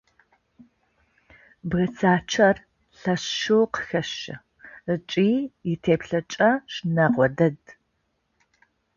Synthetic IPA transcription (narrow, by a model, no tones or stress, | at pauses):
bɣɐt͡sʰaːt͡ʃʰɐr | ɬɐɕʃowqə̥xɐʃɪ̰ | ɨt͡ʃʼiːjɪtʰeːpɬɐt͡ʃʼɐʂnɐʁʷɔdɐd